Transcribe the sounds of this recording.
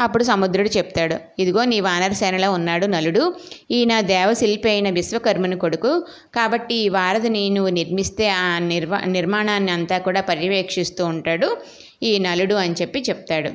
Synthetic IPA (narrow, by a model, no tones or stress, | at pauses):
ɐpːuɽusɐmud̪ɾuɽut͡ʃep̚t̪aːɽu | id̪iɡo̞ːniːʋaːnɐɾɐsɛːnɐlo̞ːunːaːɽunɐluɽuiːnɐd̪ɛːʋɐsilpeːjinɐʋisʋɐkɐɾmɐniko̞ɽuku | kaːbɐʈːiːʋaːɾɐd̪ɐninuʋuniɾmist̪e̞ːaːniɾmaːɳaːnːiɐnt̪aːkuːɽaːpɐɾjiʋeːkʂist̪uːɳʈaːɽu | iːnɐluɽuɐnt͡ʃepːit͡ʃep̚t̪aːɽu